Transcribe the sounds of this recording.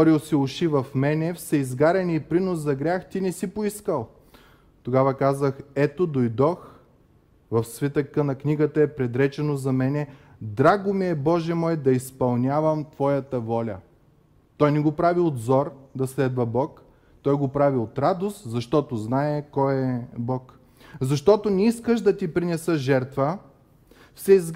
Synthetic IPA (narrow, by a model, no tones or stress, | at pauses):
ɔɾiosiʊʃivɐfmɛnɛfsɐizɡaɾɛniːpɾinoszɐɡɾʲaxt̪inɛsipoiskəlˠ | t̪oɡavəkazəxɛt̪od̪ojd̪ɔx | vɐfsvit̪əkənɐknʲiɡət̪ɐɛpɾɛd̪ɾɛt͡ʃɛnozɐmɛnɛ | d̪ɾaɡʊmiɛbɔʒɛmɔɛd̪ɐispɐlˠnʲavɐmt̪v̥ɔjɐt̪əvɔlʲɐ̰ | t̪ɔjnɛɡopɾaviod̪zɔɾd̪ɐslɛd̪vɐbɔk | t̪ɔjɡopɾaviot̪ɾad̪ost̪zɐʃt̪ɔt̪oznaɛkɔjɛbɔk | zɐʃt̪ɔt̪onɛiskəʃd̪ɐt̪ipɾinɛsəʒɛɾt̪və | fsɛiz